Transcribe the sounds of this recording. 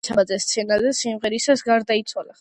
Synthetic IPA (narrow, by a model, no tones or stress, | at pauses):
t͡ʃʰaad̪zɛst̪sʰɛnazɛsimʁɛɾisasɡaɾd̪ait̪sʰwala